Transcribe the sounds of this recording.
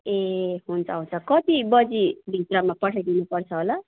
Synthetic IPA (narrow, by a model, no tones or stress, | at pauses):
eɦunt͡sʰʌɦunt͡sʰʌkʌt̪ibʌd͡zibʱit̪rʌmapʌʈʰajd̪inupʌrt͡sʰʌɦola